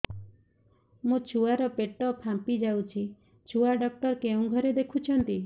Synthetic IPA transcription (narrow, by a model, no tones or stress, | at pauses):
mũt͡ʃʰuaɾɔpeʈɔpʰampid͡ʒawt͡ʃʰi | t͡ʃʰuaɖɔk̚ʈɔɾkeũɡʱɔɾed̪ekʰut͡ʃʰɔnt̪i